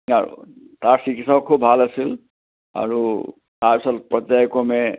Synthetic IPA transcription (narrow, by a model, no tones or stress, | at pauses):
aɹṵ | t̪aɹsikʰitsɔk̚kʰubʱbʱalasil | a̰ɹu | t̪aɹpisɔtpɹɔt̪ːajkɔmɛ